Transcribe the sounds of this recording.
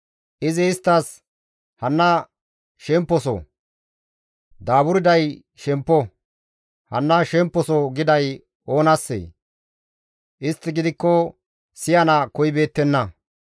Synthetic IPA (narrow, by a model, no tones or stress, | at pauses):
ʔɪzɪːst̪ːɐs | hɐnːɐ | ʃɛmpːɔsɔ̰ | d̪aːbʊɾɪd̪ɐj | ʃɛmpːɔ | hɐ̰nːɐʃɛmpːɔsɔɡɪd̪ɐj | o̞ːnɐsːḛː | ʔɪst̪ːɪɡɪd̪ɪkːɔ | sɪjɐnɐkɔjbe̞ːt̪ːɛnːɐ